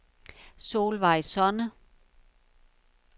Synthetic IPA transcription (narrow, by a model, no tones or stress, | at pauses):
so̝̰ːlʋɑ̈ɪsɒnə